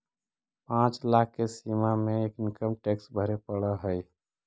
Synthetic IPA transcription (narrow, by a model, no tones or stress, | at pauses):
pãt͡ʃlakʰkesimameeːkɪnkəmʈeksbʱəɾepəɽəɦəj